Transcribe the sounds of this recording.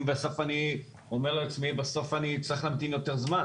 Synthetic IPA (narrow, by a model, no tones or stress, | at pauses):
mveaso̞fani | omeʁleat͡smibaso̞fanit͡sʁiχlamt̪injo̞teʁzma